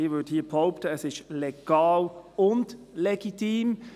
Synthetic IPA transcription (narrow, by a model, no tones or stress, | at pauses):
iːvʏthiːpʰoʊptəəsɪʃleɡ̥ɑːlʊndlɛɡ̥itiːm